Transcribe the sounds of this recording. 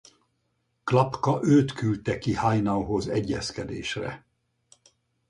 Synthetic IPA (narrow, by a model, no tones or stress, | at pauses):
klɒpkɒʔøːt̪kylt̪ɛkihajnɒwɦozɛɟːɛskɛd̪ḛːʃrɛ̰